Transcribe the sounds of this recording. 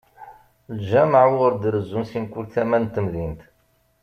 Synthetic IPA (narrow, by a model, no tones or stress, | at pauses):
lʒæməʕʊɾd̪ɾəzːunsinkʷːulθæmænt̪ːəmðint̪